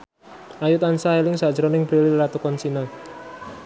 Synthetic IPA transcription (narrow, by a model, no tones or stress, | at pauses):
ʔajut̪ansaɦelɪŋsad̥ʒ̥ɾɔnɪŋb̥ɾelillat̪ukɔnsina